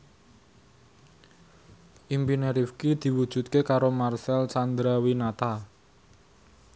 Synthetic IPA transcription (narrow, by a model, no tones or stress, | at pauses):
ʔimbineɾifkid̪̥i̤wud̥ʒ̥ṳt̪̚kekaɾomarsɛlsand̪ɾawinat̪a